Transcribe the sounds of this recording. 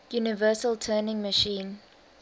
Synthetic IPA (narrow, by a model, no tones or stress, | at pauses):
junɪvɜːˑsəltʰɜːnɪ̃ŋməʃĩːn